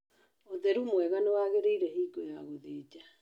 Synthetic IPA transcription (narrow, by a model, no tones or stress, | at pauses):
oðɛɾumwɛɣanewaːɣeɾeiɾɛɦiːɡojaɣoðeːd͡ʒa